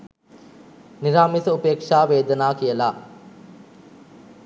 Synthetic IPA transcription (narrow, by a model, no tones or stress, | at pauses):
niɾaːmisəupeːkʂaːʋeːd̪ənaːkijəla